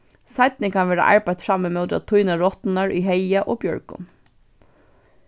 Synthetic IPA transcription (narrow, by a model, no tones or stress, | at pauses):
saɪt̪nɪkʰanʋeːɾa̰ʔa̰ɹpajt̪fɹamːɪmœʊt̪a̰t̪ʰujnaɹɔt̪naɹʔiɦejaʔoːbjœ̰ɹkʊ̰n